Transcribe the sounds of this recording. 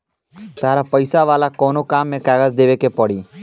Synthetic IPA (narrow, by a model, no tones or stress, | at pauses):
t̪aːɾapəɪsaʋaːlakɔːnokaːmːẽkaːɡəd͡ʒd̪eːʋekepəɽiː